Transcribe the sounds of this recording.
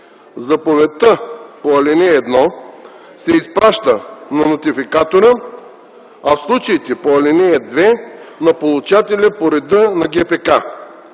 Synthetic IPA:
zɐpovɛt̪əpoɐlɛnɛːd̪nɔ | sɛispɾaʃt̪ənɐnot̪ifikat̪oɾə | ɐfslˠut͡ʃəit̪ɛpoɐlʲinɛɛd̪vɛnɐpolˠut͡ʃat̪ɛlʲəpoɾɛd̪ənɐɡɛpɛka

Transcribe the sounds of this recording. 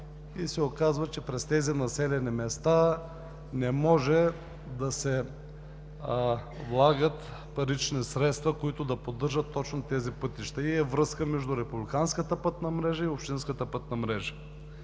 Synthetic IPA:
isɛokazvɐt͡ʃɛpɾɛst̪ɛzinɐsɛlɛnimɛst̪a | nɛmɔʒɛ | d̪ɐsɛ | vlˠaɡət̪ | pɐɾit͡ʃnisɾɛt̪st̪vɐkoit̪ʊd̪ɐpod̪ɤɾʒət̪ːɔt͡ʃnot̪ɛzipɤt̪iʃt̪ɐiɛvɾɤskəmɛʒd̪ʊɾɛpublʲikanskət̪əpɤt̪nɐmɾɛʒɐiopʃt̪inskət̪əpət̪nɐmɾɛʒɐ̥

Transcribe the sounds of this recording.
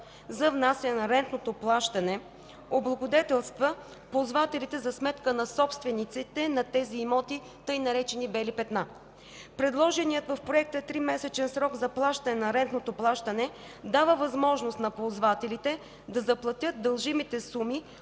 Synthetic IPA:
zɐvnasʲɛnɛnɐɾɛnt̪not̪oplˠaʃt̪ɐnɛ | oblˠɐɡod̪ɛt̪ɛlˠst̪və | pozvat̪ɛlit̪ɛzɐsmɛt̪kənɐsɔpst̪vɛnit̪sit̪ɛnɐt̪ɛziːmɔt̪i | t̪ɤjnɐɾɛt͡ʃɛnibɛlipɛt̪na | pɾɛd̪lˠɔʒɛnijət̪vɐfpɾoɛk̚t̪ət̪ɾimɛsɛt͡ʃɛnsɾɔɡzɐplˠaʃt̪ɐnɛnɐɾɛnt̪not̪oplˠaʃt̪ɐnɛ | d̪avəvɐzmɔʒnost̪nɐpozvat̪ɛlit̪ɛ | d̪ɐzɐplˠɐt̪ʲjɤt̪̚d̪əlˠʒimit̪ɛsumi

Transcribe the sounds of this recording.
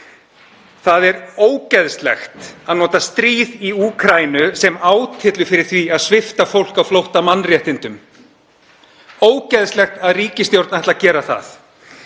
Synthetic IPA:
θaðɛɾoːwcɛðst̪lɛ̰xt̪aðnɔːt̪ast̪ɾiːðiuːkʰɾaːjnʏsɛmaːwt̪ʰɪt̪lʏfɪɾɪ̥θviaðsvɪft̪afowl̥kawflowht̪amanːrjɛht̪ɪnt̪ʏm | oːwcɛðst̪lɛxt̪aðriːcɪst̪jowɾt̪naht̪lacɛːɾaθa̰θ

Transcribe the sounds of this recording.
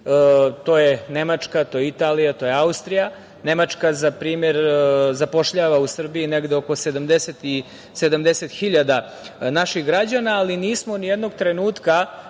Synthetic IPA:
t̪oːjenemat͡ʂkat̪o̞jeit̪aːlijat̪o̞je̞aust̪ɾija | ne̞mat͡ʂkazapɾiːmeɾzapo̞ʂʎaːʋausr̩biineɡd̪eo̞ko̞sed̪amd̪eset̪i | sed̪amd̪eset̪xiʎad̪a | naʃixɡɾad͡ʑanaːliniːsmonijed̪no̞ɡt̪ɾenuːt̪ka

